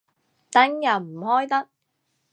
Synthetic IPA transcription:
t̪ɐ˨˥ŋjɐ˨˩wm̩˨˩hɔː˥jt̪ɐ˥k̚

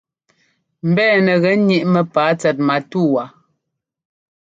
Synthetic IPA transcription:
m̩˨bɛː˦˨nə˨ɣɛ˨˦ɲi˦ʔmə˨paː˨˦t͡sɛ˨t̚ma˨tu˦˨wa˨

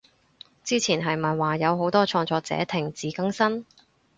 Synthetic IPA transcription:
t͡siː˥t͡sʰiː˨˩nɦɐ˨jmɐ˨˩nwaː˨˩jɐ˨˧wɦo˨˥wt̪ɔː˥t͡ʃʰɔː˧ŋt͡sɔː˧k̚t͡sɛ̰ː˨˥t̪ʰɪ˨˩ŋt͡siː˨˧kɐ˥ŋsɐ˥n

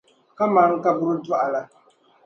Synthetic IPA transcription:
ka˦maː˦ŋ̩˦ka˦bʊ˦ɾɨ˦da˦ʔa˨la˨

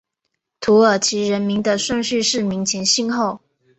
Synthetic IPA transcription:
t̪ʰu˧˥ə˞˨˩t͡ɕʰi˧˥ɻə˧˥nmi˧˥ŋd̪ə˧ʂwə˥˧ŋɕy˥˧ʂɻ̩˥˩mi˧˥ŋt͡ɕʰjɛ˧˥nɕi˥˧nxo˥˩ʊ

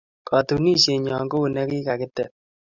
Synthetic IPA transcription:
kʰɑ˨tu˨ni˦ʃe˨ɲɔ˨ŋɡo˦u˨nɛ˦kɪ˦ka˨kɪ˦tɛ˨

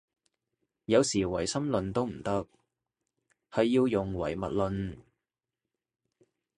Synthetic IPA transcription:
jɐ˨˧wsiː˨˩wɐ˨˩jsɐ˥mlɵ˨nt̪o˥wm̩˨˩t̪ɐ˥k̚ | hɐ˨jːiː˧wjʊ˨ŋwɐ̰˨˩jmɐ̰˨t̚lɵ˨˧n

